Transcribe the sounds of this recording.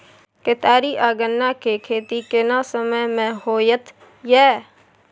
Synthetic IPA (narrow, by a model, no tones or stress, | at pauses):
ket̪aːɾiːʔaːɡənːaːkʰeːkʰeːt̪iːkɪnãːsəməmɛ̃ːhoːjət̪ | jɛː